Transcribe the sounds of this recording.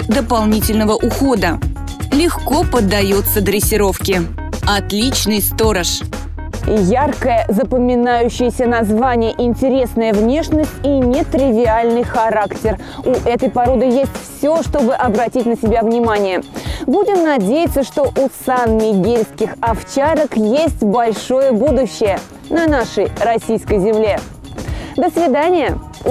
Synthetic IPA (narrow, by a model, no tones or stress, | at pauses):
d̪əpɐlˠnʲitʲɪlʲnəvəʔʊxo̞d̪ə | lʲɪxko̞pəd̪ːɐjut̪səd̪ɾʲɪsʲːɪɾo̞fkʲɪ | ɐt̪lʲit͡ɕnɨjst̪o̞ɾəʂ | jarkəjəzəpəmʲɪnajʉɕːɪjəsʲənɐzvanʲɪjəʔɪnʲtʲɪɾʲe̞snəjəvnʲe̞ʂnəsʲtʲinʲɪt̪ɾʲɪvʲɪalʲnɨjxɐɾaktʲɪr | uʔɛt̪əjpɐɾo̞d̪ɨjesʲtʲfsʲo̞ʂt̪o̞bɨʔɐbɾɐtʲitʲnəsʲɪbʲavnʲɪmanʲɪjəbudʲɪmnɐdʲejɪt̪sːəʂt̪o̞ʔusanmʲɪɡʲilʲskʲɪxɐft͡ɕaɾəkjesʲtʲbɐlʲʂo̞jəbud̪ʊɕːɪjə | nɐnaʂəjrɐsʲijskəjzʲɪmlʲe | d̪əsvʲɪd̪anʲɪjə